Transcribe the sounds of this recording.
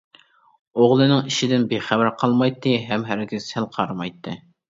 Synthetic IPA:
oʁlˠɨnɨŋiʃɪd̪ɪnbeχæbɪɾqʰɑlˠmɑjt̪ʰːɨɦɛmɦæɾɡʲɪzsælˠqʰɑɾɑmɑjt̪ʰːɨ

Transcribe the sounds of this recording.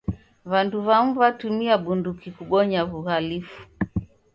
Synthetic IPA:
βanduβam̩vatumiaɓundukikuɓɔɲaβuɣalifu̥

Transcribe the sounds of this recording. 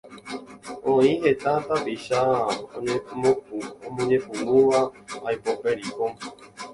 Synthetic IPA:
õĩɦe̞t̪at̪apiʃaõɲẽmõpuõmõɲẽ̞pũnũʋaːjpopeɾiko

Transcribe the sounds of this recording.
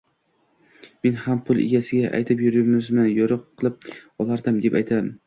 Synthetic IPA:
me̞nhampʰʊlˠɪ̰ɡʲasɪɡʲaʔa̰jt̪ʰɪpjʊɾɪmɪzmɪjoɾɨqʰːɨlˠɪp̚ɒlˠaɾd̪ɪmd̪epajt̪ʰad̪ɪm

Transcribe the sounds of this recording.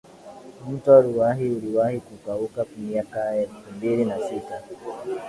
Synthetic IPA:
m̩tɔɾuwaɦiuliwahikukaukakwamiakaɛlfumbilinasita

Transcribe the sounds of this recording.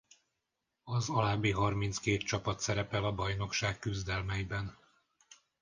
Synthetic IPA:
ɒzɒlaːbːiɦɒrmint̪skeːt̪t͡ʃɒpɒt̪sɛɾɛpɛlɒbɒjno̞kʃaːkːyzd̪ɛlmɛjibɛn

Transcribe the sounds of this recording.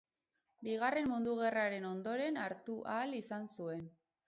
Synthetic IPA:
biɣare̞mmund̪uɣ̞e̞raɾe̞no̞nd̪o̞ɾe̞naɾt̪uʔalisansue̞n

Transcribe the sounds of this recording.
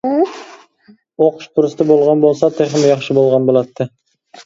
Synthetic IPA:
oqʊ̥ʃpʰʊɾəst̪əbolˠʁɑnbolˠsɑt̪ʰeχɪmjɑχʃəbolˠʁɑnbolˠɑt̪ːə

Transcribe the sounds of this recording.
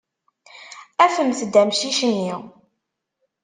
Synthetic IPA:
æfəmθəd̪æmʃiʃənːi

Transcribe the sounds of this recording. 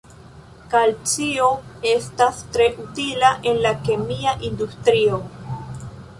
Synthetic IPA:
kalt͡sio̞e̞stastɾe̞ʔutilaʔe̞nlake̞miaʔindustɾio̞

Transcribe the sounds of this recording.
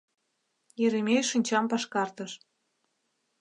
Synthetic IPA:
jeɾemʲejʃɯnʲt͡ɕɑmpɑʃkɑrt̪ə̆ʃ

